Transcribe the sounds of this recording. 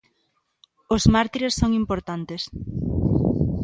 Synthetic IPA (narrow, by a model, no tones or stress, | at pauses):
ʊzmaɾt̪iɾesːoŋimpoɾt̪ant̪es